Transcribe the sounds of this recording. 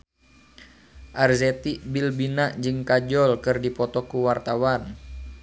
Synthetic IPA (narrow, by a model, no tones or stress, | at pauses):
ʔarzɛt̪iʔbilbinaʔd͡ʒɨŋkad͡ʒɔlkɨrdipɔt̪ɔkuwart̪awan